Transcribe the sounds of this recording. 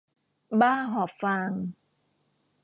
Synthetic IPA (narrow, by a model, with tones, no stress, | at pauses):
baː˦˥˩ɦɔː˨˩p̚faː˧ŋ